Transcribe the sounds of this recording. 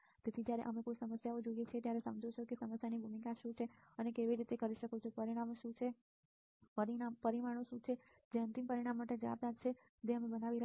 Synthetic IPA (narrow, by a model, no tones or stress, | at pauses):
t̪et̪ʰid͡ʒjaɾḛʔəmekosəməsjaod͡ʒoijet͡ʃʰiet̪jaɾesə̰md͡ʒot͡ʃʰokesəməsjanibʱumiɡaʃũt͡ʃʰeənekeʋiɾit̪ekəɾiʃəkot͡ʃʰopəɾiɽ̃amʃũt͡ʃʰe | pəɾiampəɾiʋaɽ̃oʃũt͡ʃʰe | d͡ʒeə̃nt̪impəɾiɽ̃amːaʈed͡ʒəʋa̰b̚nad̪̚t͡ʃʰe | d͡ʒeəmebənaʋiɾə